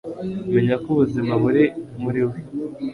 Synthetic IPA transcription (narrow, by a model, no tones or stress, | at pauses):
joɲakuβuziβaβuɾemuɾiwe